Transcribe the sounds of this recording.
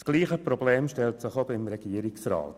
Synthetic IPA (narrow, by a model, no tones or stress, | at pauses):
sɡ̥liːχəprɔbleːmʃtɛltsɪχobɪmɾɛɡ̥iːəɾɪksɾa̰ːt